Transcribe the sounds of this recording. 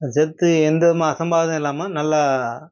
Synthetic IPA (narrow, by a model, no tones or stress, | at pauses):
d͡ʒɛt̪ːɯɛnd̪ɐmaɐsɐmbaːðɐ̃ɪlːaːmɐnɐlːa